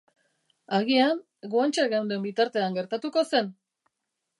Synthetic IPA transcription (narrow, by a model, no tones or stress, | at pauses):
aɣian | ɡuant͡ʃeɣawnd̪embit̪aɾt̪e̞aŋɡe̞ɾt̪at̪uko̞se̞n